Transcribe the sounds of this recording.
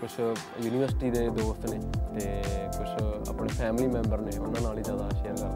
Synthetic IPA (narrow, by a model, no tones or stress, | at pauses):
kʊt͡ʃʰ | juːniːʋəɾsɪ̥ʈiːd̪eːd̪oːst̪neːt̪eːkʊt͡ʃʰə̰pneːpʰɛːmliːmɛ̃ːmbəɾneːʊnːãːnaːliːzjaːd̪aːəʃiɦɛːɡaː